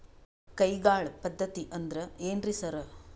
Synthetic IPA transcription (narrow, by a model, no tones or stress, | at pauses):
kɐjɡaːɭpɐd̪ʱːɐt̪iʔɐnd̪ɐɾɐeːnɾisɐɾɐ